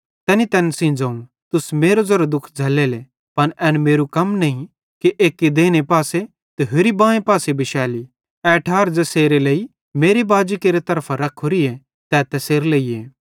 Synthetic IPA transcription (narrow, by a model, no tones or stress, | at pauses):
t̪ɛːnit̪ɛːnsɪ̃ːnd͡zaːũ | t̪ʊsmeːɾozɐɾod̪ʊkʰd͡zʱɐlːeːle | pɐnʔɛːnmeːɾukɐmnɐĩ | kiʔeːkːed̪eːñepaːse | t̪eɦʊɾibãːẽpaːsebɪʃɛːli | ɛɐʈʰaːɾd͡zɐseːɾelei | meːɾibaːd͡ʒikeːɾet̪ɐɾpʰaɾɐkʰːoɾie | t̪ɛt̪ɛseːɾleːieː